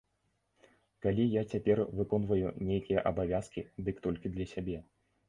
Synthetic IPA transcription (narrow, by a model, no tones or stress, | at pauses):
kalʲijat͡sʲapʲɛrvɨkɔnvɐjunʲejkʲijɐʔɐbavʲaskʲid̪ɨkt̪ɔlʲkʲid̪lʲɐsʲabʲɛ